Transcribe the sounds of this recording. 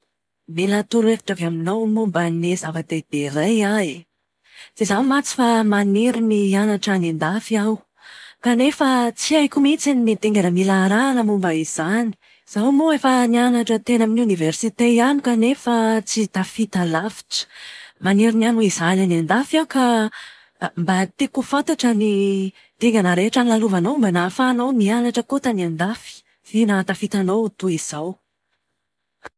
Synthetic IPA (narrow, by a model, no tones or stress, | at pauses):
milat̪uɾefi̥ʈ͡ʂavaminawmumbənezavat̪ed̪̥eɾaja | z̥ezamat͡si̥famaniɾinianaʈ͡ʂanend̪afiaw | kanefət͡siajkumit͡sinimet̪eŋɡanəmilaɾanəmumbəiz̥ani̥ | z̥awmoefənianaʈ͡ʂət̪enaminiuniversit̪ejanikanefat͡sit̪afit̪alafi̥ʈ͡ʂə̥maniɾinanuiz̥ananand̪afaka | mbat̪ekufant̪aʈ͡ʂəni | t̪eŋɡanəɾeaʈ͡ʂanilaluvanowmbanafaːnowmianaʈ͡ʂəkot̪aniand̪afi̥ | fenat̪afit̪anowt̪uiz̥aw